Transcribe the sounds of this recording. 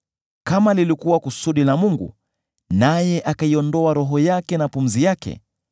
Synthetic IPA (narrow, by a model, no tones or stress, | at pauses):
kamalilikuwakusuɗinamuŋɡṵ | najɛʔakaiɔndɔaɾɔɦɔjakɛnapum̩zijakɛ̰